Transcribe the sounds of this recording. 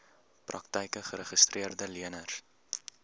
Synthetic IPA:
prɐ̰ktəjkəχəɾəχəstrʔiərdəliənər

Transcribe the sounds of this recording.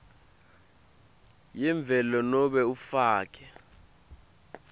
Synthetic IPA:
jɛɱb̪vʱɛlɔnɔɓɛufaːk̬ʰʼɛ

